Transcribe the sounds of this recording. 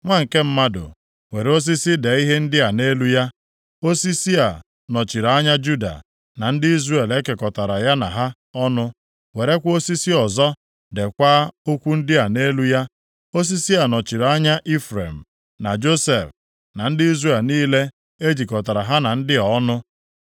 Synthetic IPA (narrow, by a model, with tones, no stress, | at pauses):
ŋʷa˦ŋ̩˨ke˦m̩˦ma˦dʊ̰˨ | we˨ɾe˦o˦s̬i˦si˦de˨i˦ɦe˦n̩˦dɪ˦a˨ne˦lu˦ja˦ | o˦si˦si˦a˨ | nɔ˨t͡ʃi˨ɾa˨a˦ɲa˦d͡ʒu˦da̰˨ | na˨n̩˦dɪ˦i˦zre˦e˨le˦ke˨kɔ˨ta˨ɾa˨ja˦na̰˨ɦa˦ | ɔ˦nʊ˦ | we˨ɾe˦kʷo˦si˦si˦ɔ˨zɔ˦ | de˨kʷa˦o˦kʷu˦n̩˦dɪ˦a˨ne˦lu˦ja˦ | o˦s̬i˦si˦a˨nɔ˨t͡ʃi˨ɾa˦ɲa˦ʔi˦fɾe˨m̩˨ | na˨d͡ʒo˦se˨f | na˨n̩˦dɪ˦i˦zre˨lniː˦le˦ | e˦d͡ʒi˨kɔ˨ta˨ɾa˨ɦa˦na˨n̩˦dɪ˦ɔ˨˦nʊ˦